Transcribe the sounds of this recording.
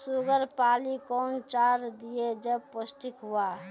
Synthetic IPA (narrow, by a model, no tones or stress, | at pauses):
suɡəɾpaːlikɔːnt͡ʃaːɾd̪ijed͡ʒəb̚pʊsʈ̪ɪkɦua